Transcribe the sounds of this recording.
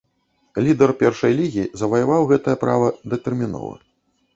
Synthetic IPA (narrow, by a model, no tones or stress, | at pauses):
lʲid̪ɐrpʲɛrʂɐjlʲiɣʲizɐvɐjɐvawɣɛt̪ɐjɐpɾa̰vɐd̪ɛt̪ɛrmʲinɔ̰vɐ̰